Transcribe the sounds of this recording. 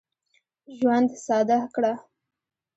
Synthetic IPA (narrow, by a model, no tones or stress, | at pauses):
ʒwand̪sɑd̪akɽa